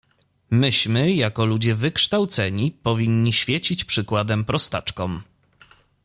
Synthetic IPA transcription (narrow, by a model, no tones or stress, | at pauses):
mɘɕmɘjakɔlud͡ʑɛvɘkʂt̪awt̪sɛɲipɔvʲiɲːiɕfʲjɛt͡ɕit͡ɕpʂɘkwad̪ɛmpɾɔst̪a̰t͡ʂkɔm